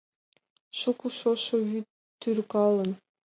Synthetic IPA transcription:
ʃukuʃoʃovy | t̪ːyɾkɑlˠən

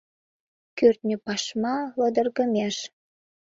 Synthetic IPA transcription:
kørt̪nʲəpɑʃmɑlə̆d̪ərɣəmeʃ

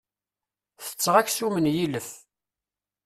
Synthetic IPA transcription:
θə̥t͡sːʁæçsumənjiləf

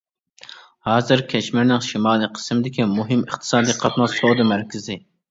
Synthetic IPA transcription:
hɑːzɨɾkʲʰɛt͡ʃmɪɾnɪŋʃimɑːlˠɨqʰə̥smɪd̪ɪkʲimuɦɨməχt̪ʰɨ̥sɑːd̪iqʰɑt̪nɑsod̪ɨmæɾkʲɪzɪ

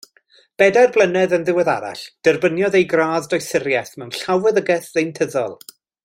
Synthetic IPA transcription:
b̥ɛdarblˠənɛðənðɪwɛða̰ɾa̰ɬd̥ərbənjɔðejɡraːðdɔjsɪɾjɛθmɛwnɬawɛðəɡɛθðejntʰəðɔ̰lˠ

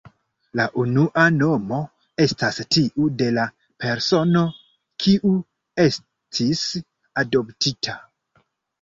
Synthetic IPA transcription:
laʔunuʔano̞mo̞ | e̞stastiʔude̞la | pe̞ɾso̞no̞ | kʰiʔu | e̞s | tʰis | ado̞ptitʰa

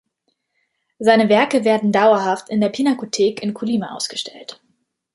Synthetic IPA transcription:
zaɪnəvɛɐkəveːɐdn̩daʊɐɦaftɪndeːɐpʰinakotʰeːkɪnkʰuliːmaʔa̰ʊsɡ̥əʃtʰɛ̰lt

